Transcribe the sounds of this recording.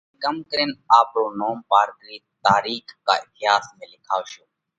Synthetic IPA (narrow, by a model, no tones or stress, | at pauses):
kəmkəɾeːnaːpɾoːnoːmpaːɾkɾiːt̪aːɾiːkka̰ːɪt̪ɪjaːsmẽːlɪkʰaːʋʃoː